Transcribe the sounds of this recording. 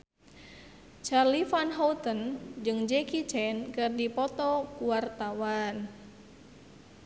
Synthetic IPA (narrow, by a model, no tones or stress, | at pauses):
t͡ʃarlifanɦɔwt̪ənd͡ʒɨŋd͡ʒɛkit͡ʃɛnkɨrdipɔt̪ɔkuwart̪awan